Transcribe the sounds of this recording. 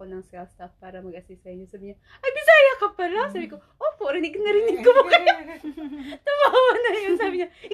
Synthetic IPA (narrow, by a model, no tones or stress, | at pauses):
onɐŋskast̪afpaːɾɐmɐɡ̚ʔɐsisɐɪɲosaːbɪɲa | ʔɐbɪsaːjakɐpalɐsaːbiko | ʔopoʔɾɪnɪknɐɾɪnɪɡ̚kobakɐjo | t̪ɐbaːwɐnɐnjonsaːbɪɲa